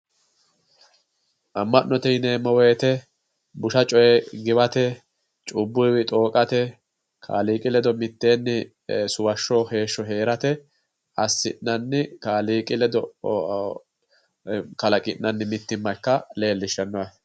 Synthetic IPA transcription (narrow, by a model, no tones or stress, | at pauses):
ʔɐmːɐnnːɔt̪ɛnemɔweːt̪ɛ | bʊʃɐt͡ʃʼɔjɛɡɪbɐt̪ɛ | t͡ʃʼʊbːʊjwɪt̪ʼo̞ːkʼɐt̪ɛ | kʰa̰ːliːkʼɪlɛd̪ɔmɪt̪ːe̞ːnːɪ | sʊwɐʃːɔhe̞ːʃːɔɦe̞ːɾɐt̪ɛ | ɐsːɪ̰ʔnɐnːɪkaːliːkʼɪlɛd̪ɔ | kɐlɐkʼɪnːɐnːɪmɪt̪ːɪmːɐkːɐle̞ːlːɪʃːɐnːɔwɐ